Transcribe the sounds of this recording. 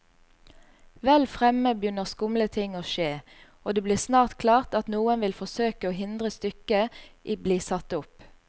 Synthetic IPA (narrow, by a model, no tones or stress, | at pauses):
ʋɛlfʁɛməbjʏnəʁskʊmlət̪ʰɪŋoːʃeː | oːd̪eːbliːʁsnɑːʁt̪kʰlɑːʁt̪ɑt̪nuːənʋɪlfɔsøːkəoːɦɪnd̪ʁəst̪ʏkəʔibliːsɑt̪ʊp